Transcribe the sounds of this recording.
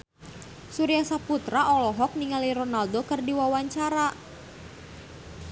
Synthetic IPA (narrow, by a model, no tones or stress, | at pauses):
suɾijasaput̪ɾaʔɔlɔɦɔk̚niŋaliɾɔnaldokɨrdiwawaɲt͡ʃaɾa